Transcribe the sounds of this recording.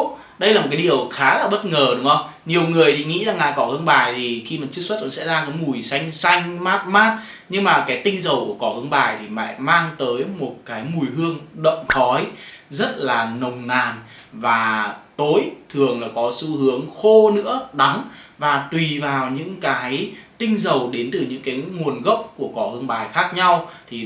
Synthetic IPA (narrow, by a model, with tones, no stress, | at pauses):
ɗə˧jla˨mo˨˩ka˨˦i˨˩əwxaː˨˦laː˨˩ɓə˦˥t̚ŋəː˨˩ɗʊ˨˦ŋ͡mʔə˧wŋ͡m | ɲi˨˩əwŋɨ˨˩əjt̪ʰi˨˩ŋḭ˧˥zaː˨˩ŋa̰ː˧˨kɔ˧˩ʔɨ˧əŋɓaː˨˩jt̪ʰi˨˩xi˧ma˨˩nt͡ɕɨ˦˥k̚sə˦˥t̚kɔ̰˧˥nsɛ̰˧˥zaː˧kaː˨˦jmu˨˩jsa˧jŋ̟sa˧jŋ̟maː˦˥t̚maː˦˥t̚ | ɲɨ˧ŋmaː˨˩kaː˨˦jt̪ï˧ŋ̟zə˨˩wku˧˩əkɔ˧˩ʔɨ̰˧əŋɓaː˨˩jt̪ʰi˨˩ma̰ː˧˨jmaː˧ŋt̪əː˨˦jmo˨˩t̚kaː˨˦jmu˨˩jɦɨ˧əŋɗə̰˧˨wŋ͡mxɔ˨˦jzə˦˥t̚laː˨˩nə˨˩wŋ͡mnaː˨˩n | vaː˨˩t̪o˨˦jt̪ʰɨ˨˩əŋlaː˨˩kɔ˨˦su˧hɨ˨˦əŋxo˧nɨ̰˧˥əɗa˨˦ŋvaː˨˩t̪wi˨˩vaː˨˩wɲɨ̰˧˥ŋkaː˨˦jt̪ï˧ŋ̟zə˨˩wɗe˨˦nt̪ɨ˨˩ɲɨ̰˧˥ŋkaː˨˦jŋu˨˩ənɣə˦˥wk͡p̚ku˧˩əkɔ˧˩hɨ˧əŋɓaː˨˩jxaː˦˥k̚ɲa˧wt̪ʰi˨˩